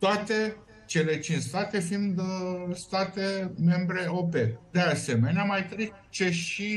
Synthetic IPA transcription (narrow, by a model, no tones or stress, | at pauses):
t̪oat̪e̞ | t͡ʃe̞le̞t͡ʃint͡ʃst̪at̪e̞find̪st̪at̪e̞me̞mbɾe̞o̞pe̞d̪e̞ase̞me̞neamajt̪ɾe | t͡ʃe̞ʃi